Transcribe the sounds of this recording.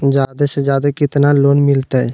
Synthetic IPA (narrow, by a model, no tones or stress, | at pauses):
d͡ʒjaːd̪esed͡ʒjaːd̪akɪt̪naloːnmɪlt̪aɦɛ